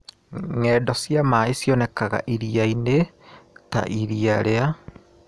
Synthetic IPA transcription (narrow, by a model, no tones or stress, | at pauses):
ŋɛːdɔsjamaesjɔnɛkaɣa̰ʔiɾiaineta̰ʔiɾiaɾea